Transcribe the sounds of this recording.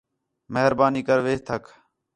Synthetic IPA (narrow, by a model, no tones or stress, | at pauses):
məɦəɾbaːniːkəɾʋeːt̪ʰəkʰ